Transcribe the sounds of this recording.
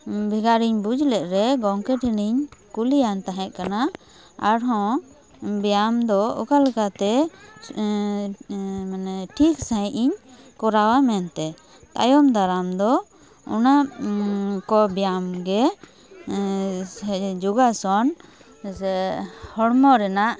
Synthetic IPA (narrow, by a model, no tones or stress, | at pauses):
bʱiɡaɾiɲbud͡ʒlɛʔ̪̚ɾɛɡɔŋkɛʈʰiniɲkulijant̪aɦɛ̃t̪̚ˀkana | a̰ɽɦɔ̃ | bijamd̪ɔɔ̰kalɛkat̪ɛ | manɛʈʰiksãʔiɲ | kɔɾawamɛnt̪ɛ | t̪a̰jɔmd̪aɾamd̪ɔ | ɔ̰na | kɔbijamɡɛ | d͡ʒuɡasɔn | hɔɽmɔɾɛnaʔ